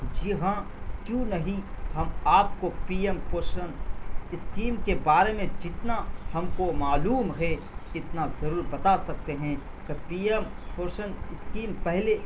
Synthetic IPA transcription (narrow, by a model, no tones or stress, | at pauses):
d͡ʒɪɦã | kjũːnɐɦĩhɐmaːp̚kopiːempoːʃənɪskiːmkebaːɾemẽd͡ʒɪt̪nahɐmkomaːluːmɦɛ | ɪt̪nazɐɾuːɾbɐt̪asɐk̚t̪eɦɛ̃ | kɪpiːempoːʃənɪskiːmpɛɦle